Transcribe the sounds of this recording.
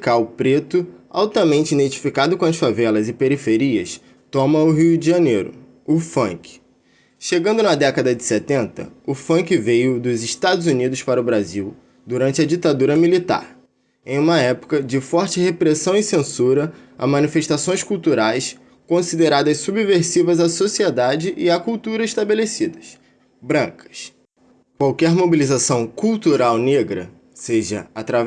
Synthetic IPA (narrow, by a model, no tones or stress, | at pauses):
kawpɾet̪ʊa̰wt̪ɐmẽnt͡ʃɪinẽt͡ʃi̥fikad̪ʊkõɐsfavɛlɐzɪpeɾifeɾiɐ̰s | t̪õmɐʊɦiʊd͡ʒiʒɐnejɾʊ̰ | ʊfɐ̰̃ŋkɪ̥ | ʃeɡɐ̃nd̪ʊnɐd̪ɛkɐd̪ɐd͡ʒɪset̪ẽnt̪ɐ̰ʊfɐ̃ŋkɪvejʊd̪ʊzɪʃt̪ad̪ʊzunid̪ʊspaɾɐʊbɾaziw | d̪uɾɐ̃nt͡ʃɪɐd͡ʒit̪ad̪uɾɐmilit̪a̰ɾ | ẽj̃ũmɐɛpʊ̥kɐd͡ʒɪfɔɾt͡ʃɪhepɾesɐ̃w̃ɪsẽsuɾɐa̰mɐ̃nifeʃt̪asõj̃skuwt̪uɾajs | kõsid̪eɾad̪ɐssubiveɾsivɐzasosied̪ad͡ʒɪʔɪakuwt̪uɾɐiʃt̪abelesid̪ɐs | bɾɐ̃ŋkɐ̥s | kwawkɛɾmobilizasɐ̃w̃kuwt̪uɾawneɡɾɐ̰ | seʒɐ̰at̪ɾa